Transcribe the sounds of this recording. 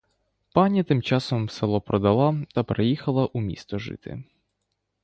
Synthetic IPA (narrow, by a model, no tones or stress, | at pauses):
panʲɐt̪ɪmt͡ʃɑsɔmsɛlˠɔpɾɔd̪ɐlˠat̪ɐpɾejixɐlˠɐʔumʲḭst̪ɔʒɪ̰t̪ɪ̰